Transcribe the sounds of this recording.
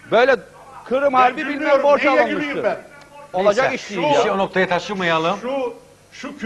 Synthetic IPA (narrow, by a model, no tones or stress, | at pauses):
bø̞jlʲɛ | kʰɯɾɯmhaɾbibilʲmæɾboɾʃalˠanmɯɯ | o̞lˠad͡ʒakiʃt̪iːionok̚t̪ʰajat̪ʰaʃɯmajalˠɯm